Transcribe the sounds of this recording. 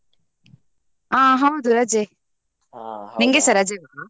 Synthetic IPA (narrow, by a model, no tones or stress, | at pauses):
ãːɦãd̪uɾad͡ʒe | niŋɡesɐɾad͡ʒeʋa